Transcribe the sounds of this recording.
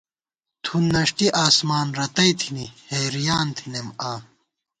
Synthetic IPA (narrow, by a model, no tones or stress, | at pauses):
t̪ʰunːɐʂʈiʔaːsmaːnɾɐt̪ɐjt̪ʰinihejɾijaːnt̪ʰinemaː